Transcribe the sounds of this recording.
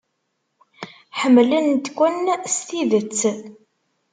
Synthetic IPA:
ħəmːlənt̪kʷːənst̪iðət͡sː

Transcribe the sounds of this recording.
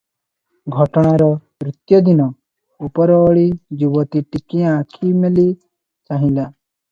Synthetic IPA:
ɡʱɔʈɔɽ̃aɾɔmɾit̪jɔd̪inɔ | upɔɾɔːɭid͡ʒiwɔt̪iʈikiãkʰimeli | t͡ʃaɦĩla

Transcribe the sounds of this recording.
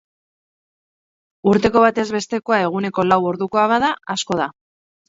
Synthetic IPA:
uɾt̪e̞ko̞βat̪e̞zβe̞st̪e̞ko̞ae̞ɣ̞une̞ko̞lawo̞ɾðuko̞aβaðaasko̞ð̞a

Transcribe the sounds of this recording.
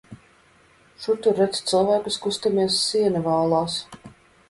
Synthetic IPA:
ʃut̪uɾɛt̪st̪sɨlˠvæːkuskust̪amiɛsːiɛnɨvaːlˠaːs

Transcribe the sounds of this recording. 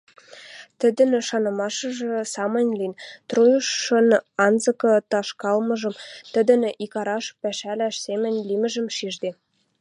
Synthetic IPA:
t̪ə̆d̪ə̆neʃɑnɤ̆mɑʃɤ̆ʒĕsɑmə̆nʲlint̪rujuʃːə̆nɑnzɤ̆kɤ̆t̪ɑʃkɑlmɤ̆ʒɤ̆mt̪ə̆d̪ə̆nʔikɑɾɑʃpæʃælæʃsemə̆nʲlimə̆ʒə̆mʃiʒd̪e

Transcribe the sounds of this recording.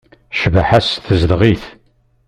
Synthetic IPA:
ʃəvəħæsθəzəlʁiθ

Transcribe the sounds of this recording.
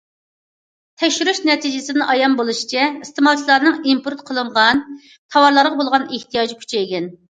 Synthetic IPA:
t̪ʰɛkʲʃyɾyʃnɛt̪ʰid͡ʒɪsɪnɪʔɑjɑmbolˠuʃi̥t͡ʃʰɛist̪emɑlˠt͡ʃʰilˠɑɾnɨŋimpʰuɾt̪qʰəlˠɨɴʁɑn | t̪ʰɑwɑɾlˠɑɾʁɑbolˠʁɑneht̪ʰijɑd͡ʒikʲʰy̥t͡ʃʰɛeɡʲɛn

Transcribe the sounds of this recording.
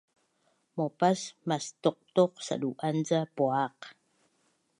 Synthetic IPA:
mopasmast̪oq̚t̪oq̚sa̰ɗuʔanzapoaq

